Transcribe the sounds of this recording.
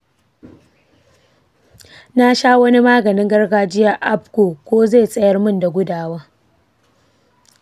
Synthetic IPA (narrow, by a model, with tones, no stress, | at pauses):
na˦ʃaː˦wɐ˦ni˦maː˦ɡɐ˨nɪ˦ŋɡɐ˦rɡaː˦d͡ʒɪ˦ja˦ʔa˦pkoː˨kʷoː˦ze˦˨sʼɐ˦jɐ˦rmʊ˦nda˨ɡʷʊ˦daː˨waː˦